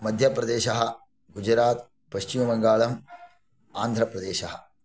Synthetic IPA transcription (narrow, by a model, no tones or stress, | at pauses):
mɐd̪ʱjɐpɾɐd̪eːʃɐɦɐ̆ | ɡud͡ʒɾaːt̪ | pɐʃt͡ʃimɐbɐŋɡaːɭɐm | aːnd̪ʱɾɐpɾɐd̪eːʃɐɦɐ